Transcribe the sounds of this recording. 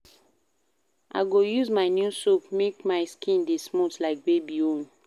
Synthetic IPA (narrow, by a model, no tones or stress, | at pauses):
ʔa̰ɪɡojuzmaɪnjusopmekmaɪskʰĩndesmotlaɪk̚bebiõn